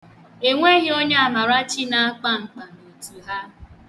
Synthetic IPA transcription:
e˨ŋʷe˦ɣɪ˦o˦ɲe˦a˨ma˨ɾa˦t͡ʃi˦na˦a˦k͡pa˦ŋ͡m̩˨k͡pa˨ne˨tu˨ɦa˦

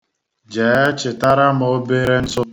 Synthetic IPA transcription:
d͡ʒeː˨˦t͡ʃɪ˨ta˦ɾa˦mo˨o˦be˦ɾe˦n̩˦so˦

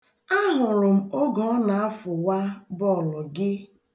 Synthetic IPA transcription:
a˦ɦʊ˨ɾʊ˨m̩˨o˦ɡɔ˨˦ɔ˦na˨a˦fʊ˨wa˦bɔ˦˨lʊ˨ɡɪ˦

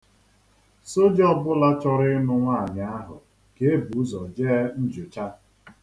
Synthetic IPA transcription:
so˦d͡ʒɔ˦bʊ˦la˦t͡ʃɔ˦ɾɪ˦nʊ˦ŋʷa˦˨ɲa˦a˦ɦʊ˨ | ke˦e˦bu˨˦zɔ˨d͡ʒe˦n̩˦d͡ʒʊ˨t͡ʃa˦

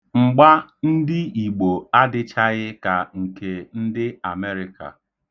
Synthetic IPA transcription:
ŋ͡m̩˨ɡ͡ba˦n̩˦dɪ˦i˨ɡ͡bo˨a˦dɪ˦t͡ʃa˦ɣɪ˦ka˨ŋ̩˨ke˨n̩˦dɪ˦a˨me˦ɾɪ˦ka̰˨

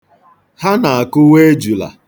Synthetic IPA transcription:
ha˦na˨a˨kʊ˦we˦e˦d͡ʒu˨la̰˨

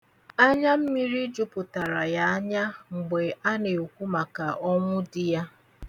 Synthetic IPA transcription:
a˦ɲa˦m̩˦mi˦ɾi˦d͡ʒʊ˦pʊ˨ta˨ɾa˨ja˦a˦ɲa˦ŋ͡m̩˨ɡ͡be˨a˦ne˨u˨kʷu˦ma˨ka˨ʔɔ˦ŋʷʊ˦dɪ˦ja˦

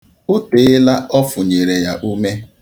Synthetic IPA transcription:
ʊ˦te˨˦ɪ˦la˦ɔ˦fʊ˨ɲe˨ɾe˨ja˨ʔu˦me˦

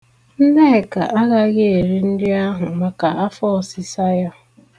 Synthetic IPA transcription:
n̩˦ne˦˨ka˨ʔa˦ɣa˦ɣe˦e˨ɾi˦n̩˦dɪ˦a˦ɦʊ˨ma˨ka˨a˦fɔ˦˨sɪ˨sa˦ja˦

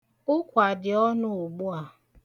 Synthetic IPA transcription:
ʊ˦kʷa˨dɪ˨ɔ˦nʊ˦ʊ˨ɡ͡bu˦a˨

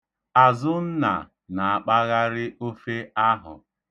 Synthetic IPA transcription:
a˨zʊ˦n̩˦na̰˨ | na˨a˨k͡pa˦ɣa˦ɾɪ˦ʔo˦fe˦a˦ɦʊ̰˨

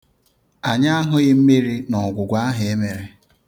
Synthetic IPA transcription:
a˨ɲa˦a˦ɦʊ˦ɣɪ˦m̩˦me˦ɾi˦nɔ˨ɡʷʊ˨ɡʷa˦a˦ɦɪ˨e˦me˨ɾe˦

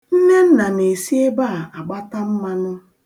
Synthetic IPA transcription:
n̩˦ne˦n̩˦na˨ne˨si˦e˦ba˦˨a˨ɡ͡ba˦ta˦m̩˦ma˦nʊ˦

